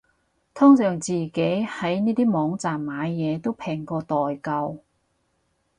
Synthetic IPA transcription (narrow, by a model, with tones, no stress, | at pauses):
t̪ʰɔː˥ŋsœː˨˩ŋt͡siː˨ke˨˥jhɐ˨˥jniː˥t̪iː˥mɔː˨˥ŋt͡saː˨mːaː˨˧jːɛː˨˧t̪o˥wpʰɛː˨˩ŋkɔː˧t̪ɔː˨˩jkɐ˧w